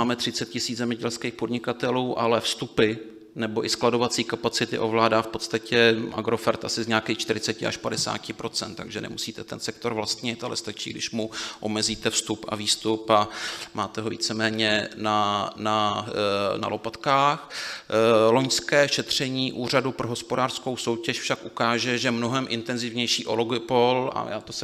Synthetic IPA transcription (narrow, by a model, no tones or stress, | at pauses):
aːmɛt̪r̝̥ɪt͡sɛt̪̚cɪsiːd͡zzɛmɲɛɟɛlskeːxpo̞dɲɪkat̪ɛluːʔalɛfst̪upɪ | nɛbo̞ʔɪsklado̞vat͡siːkapat͡sɪt̪ɪ̰ʔo̞vlaːdaːfpot̪st̪acʰɛʔa̰ɡɾo̞fɛɾt̪ʔasɪzɲaːkiːxt͡ʃt̪ɪɾɪt͡sɛcɪʔa̰ʃpadɛsa̰ːcɪpɾo̞t͡sɛnt̪t̪ːa̰ɡʒɛnɛ̰musiːt̪ɛt̪ɛnsɛk̚t̪o̞ɾvlast̪ɲɪt̪a̰lɛ̰st̪at͡ʃḭːɡdɪʃmuʔo̞mɛziːt̪ɛfst̪upa̰viːst̪upamaːt̪ɛɦo̞vḭːt͡sɛmɛːɲɛnana | na̰lo̞pat̪kaːx | lo̞ɲskɛːʃɛt̪r̝̥ɛɲiːʔuːradupɾoɦo̞spodaːr̥sko̞wso̞wcɛʃfʃakʔukaːʒɛʒɛmnoɦɛmʔɪ̰nt̪ɛnzɪvɲɛjʃiːʔoloɡpola̰ja̰ːt̪os